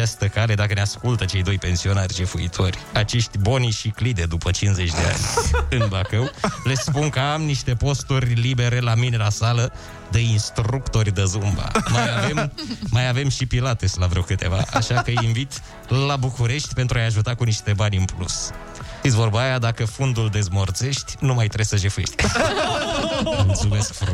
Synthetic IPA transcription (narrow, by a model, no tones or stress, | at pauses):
ast̪əkale̞d̪akəneaskult̪ət͡ʃe̞jd̪o̞jpe̞nsio̞narʲd͡ʒefuḭt̪ʰo̞rʲat͡ʃe̞ʃt̪ʲbo̞niʃiklid̪ed̪upət͡ʃinze̞t͡ʃʲd̪e̞a̰nʲɨnbakəwle̞spunkəamniʃt̪e̞po̞st̪urʲlibe̞ɾe̞lamine̞lasalə | d̪einst̪ɾukt̪o̞rʲd̪əzumba̰majave̞mːajave̞mʃipilat̪eslavɾewkɨt̪e̞̰va̰ʔa̰ʃakəjiɱvit̪ | labukuɾe̞ʃt̪ʲpent̪ɾuajaʒut̪akuniʃt̪e̞banʲɨnplṵs | fit̪sʲvo̞rbaajad̪akəfund̪uld̪e̞zmort̪se̞ʃt̪ʲnumajt̪ɾebsəʒefueʃt̪ʲ | mult̪sume̞skf